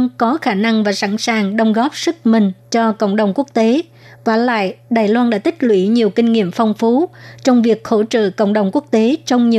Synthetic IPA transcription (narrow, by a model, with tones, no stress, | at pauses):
nkɔ˨˦xaː˧˩na˧ŋvaː˨˩sa˧˩nsaː˨˩ŋɗə˧wŋ͡mɣɔ˦˥p̚sɨ˦˥k̚mï˨˩ŋ̟t͡ɕɔ˧kə̰˧˨wŋ͡mɗə˨˩wŋ͡mku˦˥ək̚t̪e˨˦ | t̪waː˧˩la̰ː˧˨jɗaː˨˩jlwaː˧nɗa̰ː˧˥t̪ï˦˥k̟̚lwḭ˧˩ɲi˨˩əwkï˧ŋ̟ŋḭ˧˨əmfɔ˧wŋ͡mfu˨˦t͡ɕɔ˧wŋ͡mvi˨˩ək̚xo̰˧˥t͡ɕə̰ː˧˨kə̰˧˨wŋ͡mɗə˨˩wŋ͡mku˦˥ək̚t̪e˨˦t͡ɕɔ˧wŋ͡mɲi˨˩